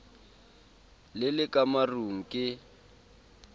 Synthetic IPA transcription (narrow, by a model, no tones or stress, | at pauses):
lɪlɪkʼamaruŋ̩kʼɪ